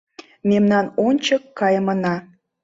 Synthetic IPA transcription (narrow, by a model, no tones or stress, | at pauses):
memnɑnonʲt͡ɕəkːɑjəmənɑ